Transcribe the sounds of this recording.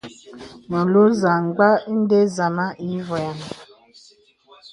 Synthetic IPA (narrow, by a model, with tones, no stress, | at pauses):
nɔ˨lo˦za˨ŋ˨ɡ͡ba˦i˦n˦de˦za˨ma˦ʔi˦vɔ˨ja˨n